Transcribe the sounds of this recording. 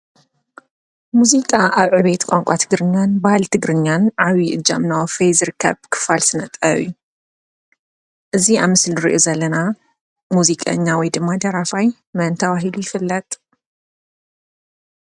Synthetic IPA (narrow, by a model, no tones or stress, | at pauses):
muzikʼaʔaβʕɨβet̪kʷʼaŋkʷʼat̪ʰɨɡɾɨɲːanbahalt̪ʰɨɡɾɨɲːanʕaβiʔɨd͡ʒamnawfejzɨɾɨkʰːɐ̰βkʰɨ̥falsɨnɐt̪ʼɐ̰βju | ʔɨziamːɨslɾḭʔozɐlːɐna | muzikʼɐ̰ɲːawɔjd̪ɨmːad̪ɐɾafaj | mɐnt̪ʰɐβaɦilujɪfɨlːɐt̪ʼ